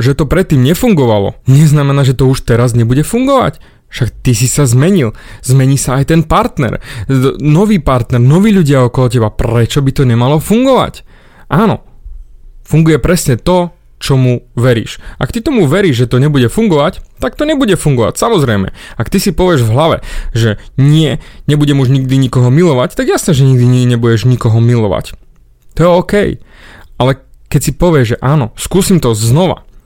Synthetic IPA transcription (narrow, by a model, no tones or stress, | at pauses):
ʒɛt̪ɔpɾɛt̪ːiːmɲɛfuŋɡɔʋalɔ̰ɲɛznamɛnaːʒɛt̪ɔuʃt̪ɛɾazɲɛbuɟɛfuŋɡɔʋa̰c | fʃakt̪isisazmɛɲilzmɛɲiːsaːjt̪ɛnpaɾt̪nɛ̰ɾ | nɔʋiːpaɾt̪nɛɾnɔʋiːʎuɟɪaɔkɔlɔc̬ɛbapɾɛt͡ʃɔbit̪ɔɲɛmalɔfuŋɡɔʋa̰c | ʔaːnɔ̰ | fuŋɡujɛpɾɛsɲɛt̪ɔ | t͡ʃɔmuʋɛɾḭːʃʔa̰k̚t̪it̪ɔmuʋɛɾiːʒʒɛt̪ɔɲɛbuɟɛfuŋɡɔʋact̪ak̚t̪ɔɲɛbuɟɛfuŋɡɔʋa̰csamɔzɾɛjmɛ̰akt̪isipɔʋɪɛʒvɦlaʋɛ̰ʒɛɲɪɛɲɛbuɟɛmuʒɲiɡd̪iɲikɔɦɔmilɔʋact̪aɡjasnɛʒɛɲiɡ̚d̪iɲiɲɛbuɟɛʒɲikɔɦɔmilɔʋa̰c | t̪ɔjɛɔːkɛjalɛkɛcsipɔʋɪɛʒʒɛʔaːnɔskuːsimt̪ɔznɔʋa̰